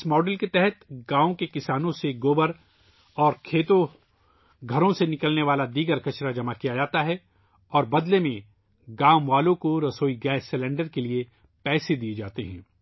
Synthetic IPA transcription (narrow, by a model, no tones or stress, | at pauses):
ɪsmɔːɖəlket̪ɛɦɛt̪ɡãːõkekɪsaːnõseɡoːbəɾ | ɔːɾkʰeːt̪õ | ɡʱɐɾõsenɪkəlneʋaːlad̪iːɡəɾkɐʃɾad͡ʒɐmakijad͡ʒaːt̪aɦɛ | ɔːɾbɐd̪lemẽ | ɡaːmʋaːlõkoɾɐsoːiɡɛːsːɪlɛ̃ːɳɖəɾkelie | pɛːsed̪ied͡ʒaːt̪eɦɛ̰̃ː